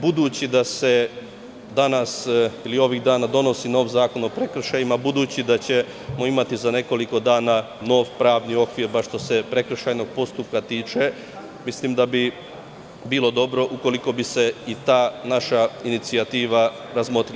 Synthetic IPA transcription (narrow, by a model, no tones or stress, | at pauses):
bud̪uːt͡ɕid̪ase̞ | d̪anasilio̞ʋiɣd̪aːnad̪o̞no̞sino̞ːʋzaːko̞no̞pɾe̞kr̩ʃajimabud̪uːt͡ɕid̪at͡ɕe̞ | mo̞imat̪izane̞ko̞liko̞d̪aːna | no̞ːʋpɾaːʋnio̞kʋiːɾbaʃt̪o̞se̞pɾe̞kɾ̩ʃajno̞ɡ̚po̞st̪up̚kat̪iːt͡ʃe̞ | mislimd̪abi | biːlˠo̞d̪o̞bɾo̞ʔuko̞liko̞bise̞it̪aːnaʃainit̪siat̪iːʋa | ɾazmo̞t̪ɾil